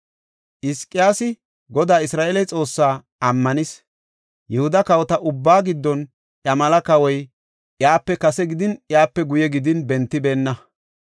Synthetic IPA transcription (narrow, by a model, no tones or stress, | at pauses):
ʔɪskʼːɪjaːsɪ | ɡɔd̪aːɪsɾaːʔɛlɐjt͡sʼo̞ːsːaː | ɐmːɐnɪs | jʔɛhʊd̪ɐkɐwɔt̪ɐʔʊbːaːɡɪd̪ːɔn | ʔjɐmɐlɐkɐwɔj | ʔjaːpːɛkɐsɛɡɪd̪ɪnjaːpːɛɡʊjɛɡɪd̪ɪnbɛnt̪ːɪbe̞ːnːɐ